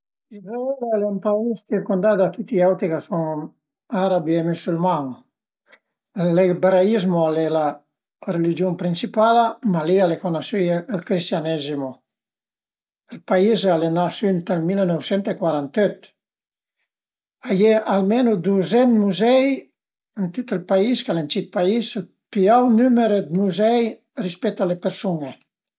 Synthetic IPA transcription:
izaɛlalempaist͡ʃiɾkund̪ad̪at̪it̪iawt̪ɾikasɔŋ | aɾabiemysylmaŋ | lːibeɾaizmoalela | relid͡ʒjompɾinsipalamalialekonasielkɾist̪janɛzimu | elpaizalenasynt̪almilnɔwsent̪ekwaɾant̪øt̪ | ajeʔalmenud̪uzenmuzɛj | ent̪ut̪elpaiskalent͡ʃit̪̚paisel | piawnymeɾed̪muzɛj | rispɛt̪alepeɾsune

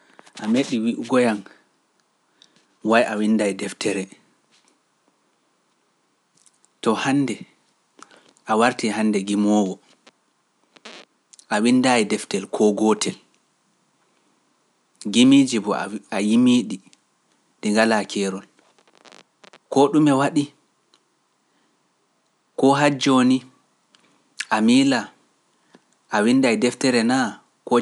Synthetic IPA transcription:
ʔameɗiwiʔuɡɔjan | wajʔawindajdɛftʰɛɾɛ | tɔhandɛ | ʔawaɾtihanːdɛɡimɔwɔ | ʔawindajidɛftɛlkʰɔɡɔtʰɛl | ɡimid͡ʒibɔ̰ajimiːɗi | diŋɡalakʰɛːɾɔl | kɔɗumɛwaɗi | kɔɦad͡ʒoni | ʔamiːla | ʔawindajdɛftɛɾɛna | kɔ

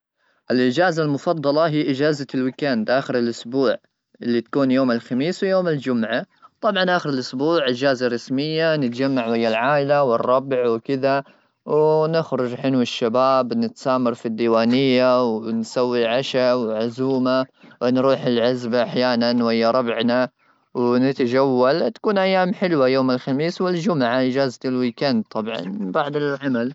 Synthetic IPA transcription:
ʔɪlʔɪd͡ʒaːzalmʊfɑd̪ˤːɑlɑɦiːʔɪd͡ʒaːzalwɪkaːnd̪ʔaːxɪɾɪlʔʊsbuːʕ | ʔɪlːit̪ḁkuːnjoːmɪlxamiːswjoːmɪld͡ʒʊmʕa | t̪ˤɑbʕɑnʔaːxɪɾɪlʔʊsbuːʕʔɪd͡ʒaːzarˤːɑsmɪjːanɪt̪d͡ʒamːaʕwɪjːalʕaːʔɪlawɨrˤːɑbʕwkɪða | wnɪxɾʊd͡ʒħɪnuwɪʃːabaːbnɪt̪saːmɑɾˤfid̪ːiːwaːnɪjːawnsawːilʕaʃawʕʊzuːmawnɾuːħɪlʕɪzbaʔaħjaːnanwɪjːaɾˤɑbʕna | wnɪt̪ad͡ʒawːalt̪ḁkuːnʔajːaːmħɪlwajoːmɪlxamiːswɪld͡ʒʊmʕaʔɪd͡ʒaːzt̪ɪlwiːkand̪t̪ˤːɑbʕɑ̰nbaʕd̪ɪlʕamal

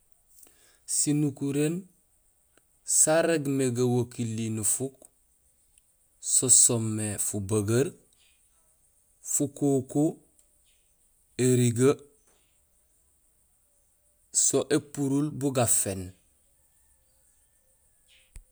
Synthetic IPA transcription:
sinukuɾen | saɾeɡmeɡawokilːinufuk | sosomːefubaɡaɾ | fukoko | eɾiɡa | soʔepuɾulbuɡafen

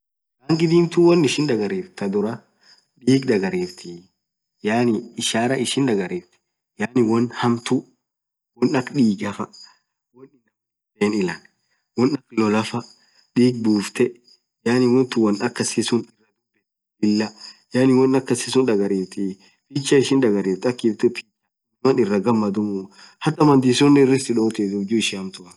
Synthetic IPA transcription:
ɡaːŋɡɪd̪iːmt̪ʊwɔnːɪʃɪnd̪ɐɡɐɾeːft̪ɐd̪ʊɾɐ | ᶑiːɡd̪ɐɡɐɾeːft̪ʰi | jaːnɪːʃaːɾɐʔɪʃɪnd̪ɐɡɐɾeːft̪ɪ̥ | jaːnɪwɔnhɐmt̪u | wɔnɐkᶑiːɡɐfɐ | wɔnɪnɐk | deːnɪlɐn | wɔnɐklɔlɐfɐ | ᶑiːɡ̚buːft̪ɛ | jaːnɪwɔnt̪ʊwɐnɐkːɐsisʊnɪrːɐdʊɛ | ɪlːɐjaːnɪwɐnɐkːɐsɪsʊnᶑɐɡɐɾeːt̪ɪ | pit͡ʃːɐɪʃɪnᶑɐɡɐɾeːt̪ːɐkːɪbt̪ʊpit͡ʃɐ | mɐnɪrːɐɡɐmːɐd̪ʊmʊ | hɐt̪ːɐmɐnd̪isɔnːɛɪrːɪst̪ɪᶑoːt̪ethʊd͡ʒuːɪʃɪhɐmt̪ʊɐ

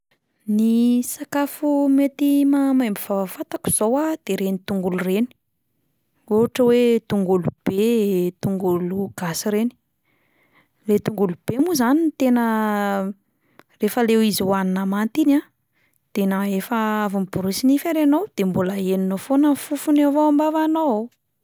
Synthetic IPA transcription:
nisakafumet̪imamajmbivavafat̪aku̥z̥owad̪̥eɾenit̪uŋɡulureni̥ | oɦaʈ͡ʂəwet̪uŋɡulub̥et̪uŋɡuluɡ̥asiɾeni̥ | let̪uŋɡulub̥emuzanint̪enə | refəlewiziwaninamant̪ina | d̪̥enaefəavumib̥uɾisinifaɾanowd̪̥embuləeninofonəfufunevoambavanowa

